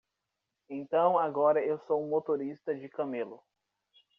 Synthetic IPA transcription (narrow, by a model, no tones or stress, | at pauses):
ẽt̪ɐ̃w̃aɡɔɾɐewsõmot̪oɾist̪ɐd͡ʒɪkɐmelʊ